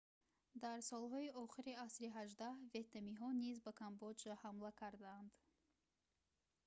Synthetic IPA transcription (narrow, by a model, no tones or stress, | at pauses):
d̪aɾsɔlɦɔiʔɔχiɾiasɾiɦaʒd̪ahve̞t̪namiɦɔnizbakʰambɔd͡ʒahamlakʰaɾd̪aːnd̪